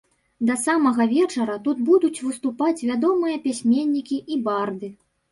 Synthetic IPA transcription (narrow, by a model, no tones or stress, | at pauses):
d̪ɐsamɐɣɐvʲɛt͡ʂɐɾɐt̪ud̪bud̪ut͡sʲvɨst̪upat͡sʲvʲad̪ɔmɨjɐpʲasʲmʲenʲːikʲiʔibard̪ɨ